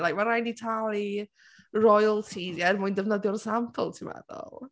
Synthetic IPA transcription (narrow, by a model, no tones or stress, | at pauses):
lajk̚maɾajnitʰalˠi | rɔjəlˠtʰizjɛrmʊɨndəvnəðjɔrsampʰə̰lˠtʰimɛ̰ðɔ̰lˠ